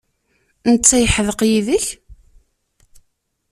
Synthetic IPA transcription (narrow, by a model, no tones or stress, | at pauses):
nət͡sːæjəħəðəqjiðəç